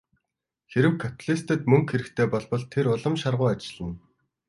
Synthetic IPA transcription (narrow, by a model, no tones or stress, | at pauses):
xeɾɘ̆wkʰːat̪ʰaɮist̪ə̆t̪mɵŋkxeɾɘ̆kt̪ʰeːpɔɮpɞ̆ɮt̪ʰeɾʊɮə̆mʃarʁʊːat͡ɕɪ̆ɮ̥ə̆n